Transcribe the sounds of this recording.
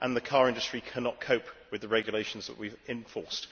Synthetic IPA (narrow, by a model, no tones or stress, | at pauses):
ʔə̃nðəkʰɑːɹɪ̃ndəstɹ̥ikʰanɒʔ̚kʰəʊpwɪðəɹɛɡjəleɪʃə̃n̩zðə̰ʔwivɪ̃ɱfɔɹst